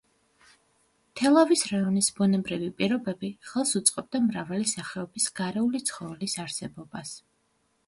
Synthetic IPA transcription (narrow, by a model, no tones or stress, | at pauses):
t̪ʰɛlˠavisɾaɔnisbɔnɛbɾivipʼiɾɔbɛbiχɛlˠsut̪sʼqʼɛb̚d̪amɾavalisaχɛɔbisɡ̥aɾɛulit̪sʰχɔvɛlisaɾsɛbɔbas